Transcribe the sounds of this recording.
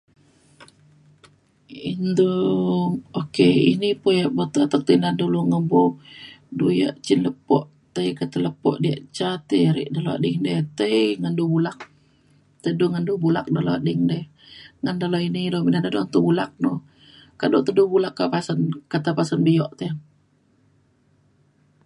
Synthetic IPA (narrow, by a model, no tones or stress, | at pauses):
indu | okeḭnipujaʔbot̪uat̪ak̚t̪ənanduluŋəbo | duja̰ʔt͡ʃinləpɔʔ | t̪əjkat̪ələpɔ̰ʔdiaʔt͡ʃat̪əɾḭʔdaloa̰ʔdɪŋdət̪əiŋandubulak̚ | t̪əduŋandubulak̚daloadɪŋdɛ | ŋandaloinidobinanədont̪ubulak̚no | kaʔdot̪ədubulakːapasənkat̪apasənbəjɔʔt̪e